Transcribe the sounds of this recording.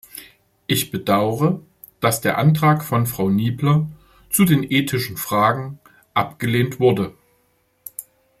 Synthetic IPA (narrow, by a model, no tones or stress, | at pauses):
ʔɪçb̥ədaʊəʁə | d̥asd̥eːɐʔantʁ̥aːkfɔnfʁ̥aʊniːblɐ | t͡sudeːnʔeːtʰɪʃn̩fʁ̥aːɡŋ̩ | ʔapɡ̥əleːntv̥ʊɐdə